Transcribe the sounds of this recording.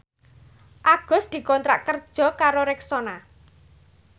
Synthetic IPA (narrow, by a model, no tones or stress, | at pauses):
ʔaɡ̥ɔ̤sd̪̥i̤kɔnt̪ɾa̰ʔkərd̥ʒ̥ɔ̤kaɾoɾɛksona